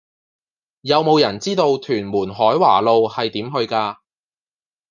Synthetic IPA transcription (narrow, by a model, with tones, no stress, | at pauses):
jɐ˨˧wmo˨˧wjɐ˨˩nt͡siː˥t̪o˧wt̪ʰyː˨˩nmuː˨˩nɦɔː˨˥jwa̰ː˨˩lo˧whɐ˨jt̪iː˨˥mɦɵ˧ɥkaː˧